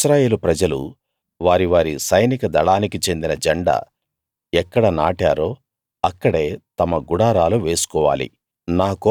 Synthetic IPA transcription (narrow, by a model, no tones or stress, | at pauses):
ʃɾaːje̞ːlupɾɐd͡ʒɐlṵ | ʋaːɾiʋaːɾisɐjnikɐd̪ɐɭaːnikit͡ʃe̞nd̪inɐd͡ʒɐɳɖɐ̰ | ɛkːɐɽɐna̰ːʈaːɾoː | ɐkːɐɽe̞ːt̪ɐmɐɡuɽaːɾaːluʋe̞ːsu̥kɔːʋa̰ːlḭ | naːko